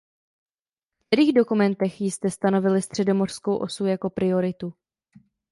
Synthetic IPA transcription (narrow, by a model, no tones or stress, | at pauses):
kt̪ɛɾiːɣdo̞kumɛnt̪ɛxjɪst̪ɛst̪ano̞vɪlɪst̪r̝̥ɛdo̞mo̞r̥sko̞wʔo̞sujako̞pɾɪo̞ɾɪt̪u